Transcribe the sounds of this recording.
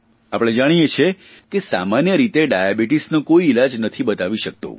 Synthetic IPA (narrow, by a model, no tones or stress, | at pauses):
apɽ̃ed͡ʒaɽ̃ijet͡ʃʰe | kesamanjəɾit̪eɖajabiʈisnekoiilad͡ʒnət̪ʰibət̪aʋiʃək̚t̪o̰